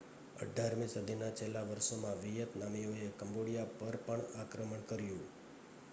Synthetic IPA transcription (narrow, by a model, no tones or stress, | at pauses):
ə̰ɖʱaɾmĩsud̪ʱinat͡ʃelːaʋəɾʃomãʋijət̪namijoekəmboɽijapəɾpəɳakɾəməɳkəɾjũ